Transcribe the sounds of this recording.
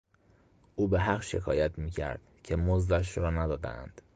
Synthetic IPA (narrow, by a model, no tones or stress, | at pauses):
ʔuːbeɦæɢʃe̞kʰɒ̰ːjæt̪ʰmiːcʰæ̰ɾd̪̥cʰe̞mozd̪æʃ̬ɾɒːnæd̪ɒːd̪æ̰æ̰nd̪̥